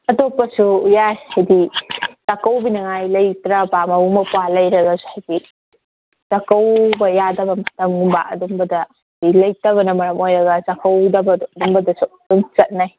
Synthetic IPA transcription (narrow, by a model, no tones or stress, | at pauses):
ɐtopɐsujajhajditakɐwbinɐŋajlɐjtɾɐbamɐumɐpualɐjɾɐɡasu̥hajɡi | takɐwbɐjadɐbɐmɐtɐmɡumba̰ʔɐ̰dɔmbɐdɐ | ilɐjtɐβɐnɐmɐɾɐmojɾɐɡɐzakɐwdɐbɐddumbɐdɐsuduŋt͡ʃɐt̚naj